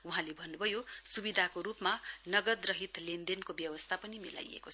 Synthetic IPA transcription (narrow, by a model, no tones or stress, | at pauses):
uɦãlebʱʌnːubʱʌjosubid̪ʱakoɾupmanʌɡʌd̪rʌɦit̪lend̪enkobjʌwʌst̪ʰapʌnimḭla̰jḛkot͡sʰ